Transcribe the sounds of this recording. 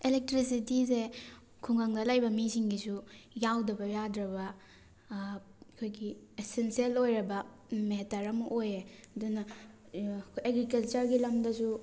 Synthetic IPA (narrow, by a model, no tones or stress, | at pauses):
elek̚tɾis̬itize | kʰuŋaŋdɐlajbɐmisiŋɡisujawdɐbɐjadɾɐbɐ | kʰojɡiesensielojɾɐbɐ | metɐɾɐmɐʔojeɐdunɐ | kʰojeɡɾikɐlt͡ʃɐɾɡilɐmdɐsu